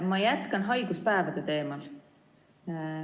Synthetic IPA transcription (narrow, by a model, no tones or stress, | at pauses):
mɑjæt̪ˑkɑnɦɑjɡ̥uspæevɑd̪̥et̪e̞ːmɑl